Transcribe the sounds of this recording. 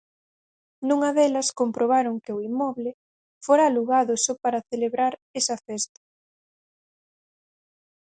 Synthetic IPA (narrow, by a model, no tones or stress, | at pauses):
nũŋɐðɛlɐskompɾoβ̞aɾoŋkɪʊimɔβlɪ | foɾaluɣaðʊsopaɾɐθeleβɾaɾɛsɐfɛst̪ɐ̥